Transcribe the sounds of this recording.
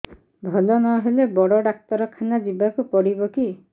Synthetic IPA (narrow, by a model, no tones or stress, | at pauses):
bʱɔlɔnɔɦelebɔɽɔɖak̚t̪ɔɾɔkʰanad͡ʒibakupɔɽibɔki